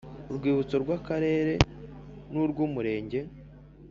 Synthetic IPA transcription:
uɾɡwiːβut͡so̞ɾɡwakaɾe̞ːɾe̞nuɾɡuːmuɾe̞ːɲɟe̞

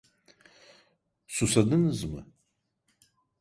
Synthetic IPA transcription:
susɐd̪ɨnɨzmɨ̰

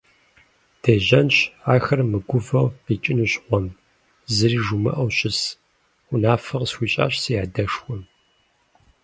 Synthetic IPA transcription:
d̥ʰeːʑɐnɕaːxɐrmɨɡʷʊvɐʁqiːt͡ʃʼɪnuɕʼqʷɔm | zɨɾiːʒumɨ̰ʔɐwɕɪs | ʊnaːfɐʁsxʷiːɕʼa̰ːɕsijaːdɐʂwʷɔm

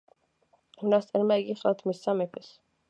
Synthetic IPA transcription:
hunast̪ʼɛɾmaiɡiχlat̪ʰmisːamɛpʰɛs

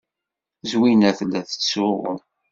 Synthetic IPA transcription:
zwinæθəlːæθə̥t͡sːʊʁʊ̰

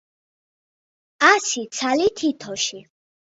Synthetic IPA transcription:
asit̪sʰalit̪ʰit̪ʰɔʃi

